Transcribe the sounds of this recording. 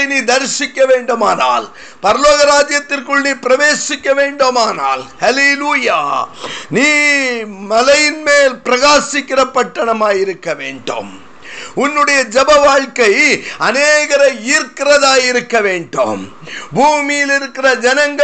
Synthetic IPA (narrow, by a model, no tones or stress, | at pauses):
niːd̪ɐɾsɪkːɐʋeːɳɖɯmaːna̰ːl | pɐɾɐloːɣɐɾaːd͡ʒjɐt̪ːɪrkɯɭniːpɪɾɐʋeːsɪkʲːɐʋeːɳɖoːmaːna̰ːlhɐleluːjaːniː | mɐlɐjɪnmeːlpɪɾɐɣaːsɪkːɪrɐpːɐʈːɐɳɐmaːjɪɾɯkːɐʋeːɳɖo̰ːm | ʊnːɯɽɐjɐd͡ʒɛbɐʋaːɻkɐɪɐneːɣɐɾɐiːɾkɪrɐðaːjɪɾɯkːɐʋeːɳɖo̰ːm | bʱuːmɪjɪlɪɾɯkːɪrɐd͡ʒɐnɐŋɡɐ